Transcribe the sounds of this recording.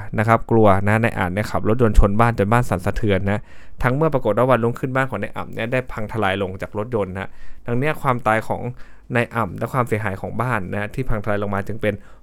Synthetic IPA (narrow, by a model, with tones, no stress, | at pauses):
na˦˥kʰa˦˥p̚klu˧ɐna˦˥na˧jʔa̰ː˨˩t̪̚ni˦˥˩kʰa˨˩p̚lo˦˥t̪̚jo˧nt͡ɕʰo˧nbaː˥˩nt͡ɕo˧nbaː˥˩nsa˩˦nsa˧t̪ʰɯ˧ənːa˦˥ʔt̪ʰa˦˥ŋmɯ˥˩ɐpɾa˧ko˨˩t̪̚wa˥˩wa˧lu˥˩˨mkʰɯ˥˩nbaː˥˩nkʰɔː˩˦na˧jʔa̰˨˩mni˦˥˩ɐdaː˥˩jpʰa˧ŋt̪ʰa˧laː˧jlo˧ŋt͡ɕaː˨˩k̚ɾo˦˥t̪̚jo˧nha˦˥d̪ʰa˧ŋni˦˥ɐkʰwaː˧mt̪aː˧jkʰɔː˩˦ŋna˧jʔa˨˩mlɛ˦˥kʰwaː˧msi˩˦ɦaː˩˦jkʰɔː˩˦ŋbaː˥˩nːa˦˥t̪ʰiː˥˩pʰa˧ŋt̪ʰaː˧jlo˧ŋmaː˧t͡ɕɯ˧ŋpe˧n